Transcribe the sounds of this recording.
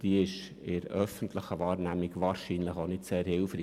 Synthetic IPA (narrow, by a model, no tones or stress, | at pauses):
d̥iɪʃ | ɪɾœfən̩tləχəʋɑːɾnæmɪɡʋɑːɾʃinləχonɪtseːɾhɪlfɾiː